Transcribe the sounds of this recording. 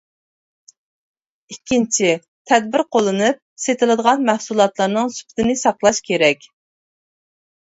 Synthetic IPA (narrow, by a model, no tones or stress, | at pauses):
ikʲːint͡ʃʰi | t̪ʰɛd̪̚bɪɾqʰolˠːɨnɨp̚set̪ʰɪlˠɨd̪əʁɑnmæhsulˠɑt̪lˠɑɾnɨŋsy̥pʰɪ̥t̪ʰɪnɪsɑqlˠɑʃkʲʰeɾɛkʲ